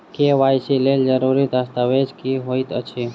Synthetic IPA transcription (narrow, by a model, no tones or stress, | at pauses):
keʋajsileld͡ʒəɾuɾit̪ast̪aʋed͡ʒkiɦojt̪ə̰t͡ʃʰi